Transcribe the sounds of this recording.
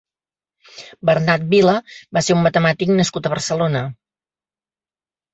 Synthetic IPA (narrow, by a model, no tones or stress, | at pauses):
bərnat̪̚biləbaseummət̪əmat̪iknəskut̪əβərsəlonə